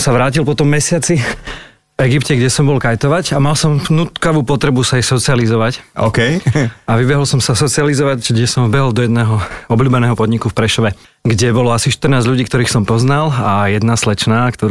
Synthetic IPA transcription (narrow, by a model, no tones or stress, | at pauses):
saʋɾaːcilpɔt̪ɔmːɛsɪat͡si | vɛɡipcɛɡɟɛsɔmbɔlkajt̪ɔʋaɟamalsɔmnuːt̪kaʋuːpɔt̪ɾɛbusajɛxsɔt͡sializɔʋacɔ̰ːkɛjaʋibɛɦɔlsɔmsasɔt͡sializɔʋaɟɡɟɛsɔmvbɛɦɔld̪ɔjɛd̪nɛːɦɔɔbʎuːbɛnɛːɦɔpɔd̪ɲikufpɾɛʃɔʋɛ | ɡɟɛbɔlɔasiʃt̪r̩naːzʎuɟiːkt̪ɔɾiːxsɔmpɔznalajɛd̪naslɛt͡ʃnaːkt̪ɔ